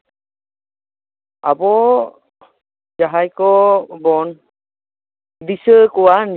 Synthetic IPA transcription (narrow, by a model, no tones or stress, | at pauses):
a̰bɔ | d͡ʒaɦajkɔbɔn | disəkɔwan